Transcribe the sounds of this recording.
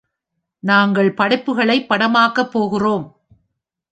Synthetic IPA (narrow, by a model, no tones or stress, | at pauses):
naːŋɡɐɭpɐɽɐɪpːɯɣɐɭɐɪpːɐɽɐmaːkɐpːoːɣɪroːm